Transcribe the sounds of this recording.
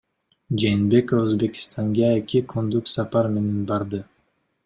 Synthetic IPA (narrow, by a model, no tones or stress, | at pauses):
d͡ʒeːnbe̞koføzbe̞kʲi̥st̪ʰɑŋɡɑekʲikʰond̪uksɑpɑɾme̞ne̞nbɑɾd̪ɯ